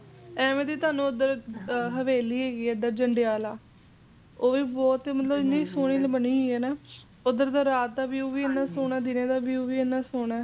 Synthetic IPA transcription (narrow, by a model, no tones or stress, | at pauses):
ɛːmẽːd̪iːt̪ʊaːnũːʊd̪əɾɦəʋeːliːɦeːɡiːɛd̪aːd͡ʒəɳɖɪjaːlaː | oːʋiːbɔːt̪eːmət̪ləbɪnːĩːsoːɽ̃iːləbəniːiːɛːnaː | ʊd̪əɾd̪aːɾaːt̪̚d̪aːʋiuːʋiːenːaːsoːɳaːd̪ɪnẽːd̪aːʋjuːʋiːenaːsoːɳ̃ɛː